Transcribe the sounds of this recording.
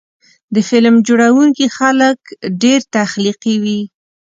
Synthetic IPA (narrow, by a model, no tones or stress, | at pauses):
d̪əfɪlmd͡ʒoɽawuŋkixaləkɖeɾt̪axliqiwi